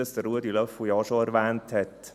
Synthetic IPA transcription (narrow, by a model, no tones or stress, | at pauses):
əsd̥̪ərɾuədilœfujɑʃoɛɾʋæːnthɛt